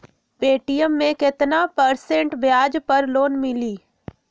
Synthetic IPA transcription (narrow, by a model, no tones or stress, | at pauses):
peːʈijəmːẽkɪt̪napəɾsẽɳʈʋjaːd͡ʒpəɾloːnmɪliː